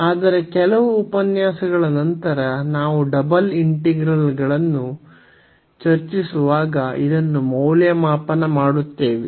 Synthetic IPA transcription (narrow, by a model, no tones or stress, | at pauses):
aːd̪ɐɾe̞kɛlɐʋuːpɐnjaːsɐɡɐɭɐnɐnt̪ɐɾɐnaːʋuɖɐbɐliɳʈiɡɾɐlɡɐɭɐnːu | t͡ʃɐɾt͡ʃisuʋaːɡɐid̪ɐnːumɐwljɐmaːpɐnɐmaːɽut̪ːeːʋi